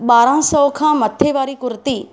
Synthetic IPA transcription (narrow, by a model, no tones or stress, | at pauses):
ɓaːɾãːsɔʋkʰãmɐt̪ʰːeʋaːɾikʊɾt̪iː